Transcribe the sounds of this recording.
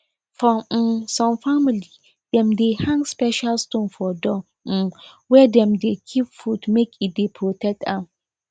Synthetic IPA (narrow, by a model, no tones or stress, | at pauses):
fɔ̃mm̩sãmfamili | d̥ɛ̃mdehãŋɡspɛʃalstõnfɔdɔ̃ | m̩wɛdɛ̃mdekʰipfudmekʰidepʰɾotʰɛk̚tʰãm